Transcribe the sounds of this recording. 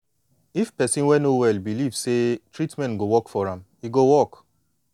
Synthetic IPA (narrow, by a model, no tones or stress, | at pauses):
ifpɛsĩnwɛnowɛlbilivsetɹitmɛ̃nɡowɔkfɔɹãm | iɡowɔk